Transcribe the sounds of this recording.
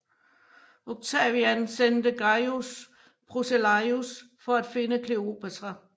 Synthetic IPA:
oɡ̥̚t͡sʰɛʋiænsend̥əɡ̥ɑɪus | b̥ʁoselɑɪus | fɒ̽æd̥fe̝nəkʰleo̝̰b̥æsʁɐ

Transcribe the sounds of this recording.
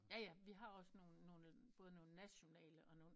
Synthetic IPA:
jæjæʋiɦɑ̈ɒ̽sno̝ːn̩nːo̝ːlə | b̥ɔ̽ːð̞ˠno̝ːl̩næɕo̝nɛ̰ːləʔɒ̽no̝ːn̩

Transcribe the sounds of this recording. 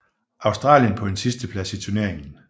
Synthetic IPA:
ʔɑ̈ʊsd̥ʁɑ̰̈ːljənpʰɒ̽d̥ensisd̥əpʰlæsit͡sʰuɐne̝ɐ̰eŋn̩

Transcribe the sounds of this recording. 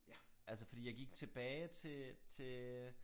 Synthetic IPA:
ʔælsəfɒ̽d̥ḭːjɑ̈ɪɡ̥iɡ̥t͡sʰe̝b̥ɛːɪt͡sʰe̝t͡sʰe̝

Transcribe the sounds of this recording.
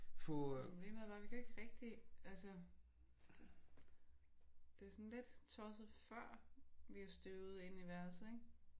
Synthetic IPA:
fɔpʰob̥le̝̰ːmðˠʋɑ̈ʋikʰæe̝ɡ̥əʁɛɡ̥̚d̥iʔælsə̥ | d̥e̝æsɔnled̥t͡sʰɒsð̩ˠfɶɐ̰ʋiɑsd̥øʊð̩ˠe̝niʋæɐs̩ˠeɡ̥

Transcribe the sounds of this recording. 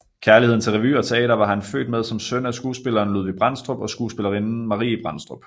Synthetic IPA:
kʰæɐliheð̰ˠnt͡sʰe̝lʁɛʋy̰ːɒ̽t͡sʰe̝ɛ̰ːɾɐʋɑ̈ɦænfø̰ːd̥með̞ˠsɒ̽msønæsɡ̥uːsb̥e̝lɐːnluðˠʋib̥ʁɑ̈n̰sd̥ʁɔ̽b̥ɒ̽sɡ̥uːsb̥e̝lɐʁinn̩mɑ̈ʁḭːib̥ʁɑ̈nsd̥ʁɔb̥

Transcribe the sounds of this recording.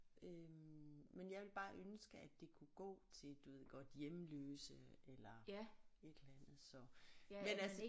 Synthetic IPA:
ʔømmenjɑ̈ɪʋe̝lb̥ɑ̈ːʔønsɡ̥əæd̥e̝kʰuɡ̥ɔ̰ːt͡sʰe̝lˠd̥uʋe̝ð̰ˠɡ̥ɒ̽d̥jemløːsəelɐ | e̝d̥elænð̩ˠsɒ̽mennælsə

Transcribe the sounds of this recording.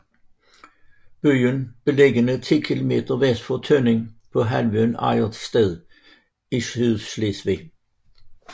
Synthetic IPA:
b̥yːənb̥əleɡənət̪ʰiːkʰilʊmeːt̪əʋɛsfɔt̪ʰœnɪŋpʰɔ̽ɦælʋønæ̰ɪəd̪̥st̪eðˠ | isyðslesʋe

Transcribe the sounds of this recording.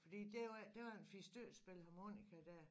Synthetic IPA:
fɒd̥ḭːd̥e̝jd̥e̝ʋɑ̈enfisd̥øɐ̰sb̥e̝lhɑ̈mo̝̰ːnikʰæd̥æɐ̰

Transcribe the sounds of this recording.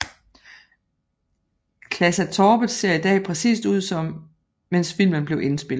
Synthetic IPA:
kʰlæsæt͡sʰɒːb̥əð̩ˠse̝ɐ̰id̥ɛ̰ːpʰʁɛsḭːsd̥uð̞̰ˠsɒ̽m | mensfil̰mənb̥le̝ʊʔe̝nsb̥e̝l̩ˠ

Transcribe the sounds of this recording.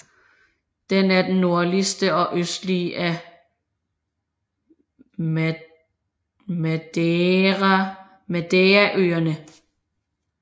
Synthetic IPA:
d̥enæɐd̥enno̝ɐ̰lisd̥əɒ̽ʔøsd̥liʔæ | mæd̥ʁ | mæd̥eæʔøːɐnə

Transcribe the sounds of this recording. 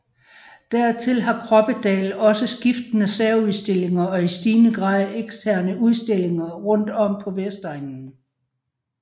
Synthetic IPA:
d̥æɐt͡sʰe̝lɦɑ̈kʰʁɒ̽b̥əd̥ɛ̰ːlɒ̽səsɡ̥ifd̥ənəsæɐuðˠsd̥e̝l̰e̝ŋɐɒ̽isd̥iːnəɡ̥ʁɑ̈ðˠeɡ̥sdʰæɐ̰nəuð̞ˠsd̥e̝l̰e̝ŋɐʁɔ̽n̰d̥ɒ̽m̰pʰɒ̽ʋesd̥ʁaŋn̩

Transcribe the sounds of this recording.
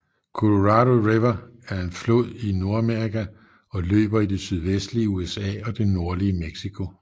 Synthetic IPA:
kʰo̝lo̝ʁɑ̈ɾo̝ʁeʋɐæɐe̝nflo̰ð̰ˠino̝ɐæmeɐʁikʰæ | ɒ̽lø̰ːb̥ɐid̥e̝syð̞ˠʋesd̥liəuesɛ̰ːɒ̽d̥e̝no̝ɐliəmeɡ̥sikʰo̝

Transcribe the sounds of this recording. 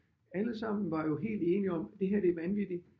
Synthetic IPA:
æləsɑ̈m̰n̩ʋɑ̈jo̝ɦe̝̰ːld̥e̝ːniɒ̽md̥e̝ɦæɐb̥eʋænʋid̥i

